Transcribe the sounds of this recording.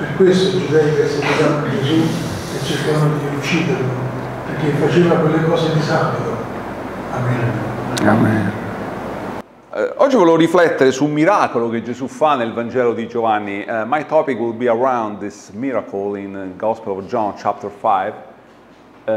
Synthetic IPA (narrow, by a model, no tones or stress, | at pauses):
perkwest̪od͡ʒud̪ɛikɛsːet̪et̪and͡ʒezu | et͡ʃːeɾkaanːod̪iut͡ʃːiːd̪eɾlo | perk̟ːefːat͡ʃevakwelːekɔːsed̪isabit̪o | amːiɾeamɛ | ɔd͡ʒːivolevoɾiflɛt̪ːeɾesumiɾaːkoloked͡ʒezufanːelvand͡ʒɛːlod̪id͡ʒovanːiʔmajt̪ɔpikwilbiəɹãwnd̪d̪ismiɾakolinɡɔspəlɔvd͡ʒɔ̃nt͡ʃap̚t̪əɾfajv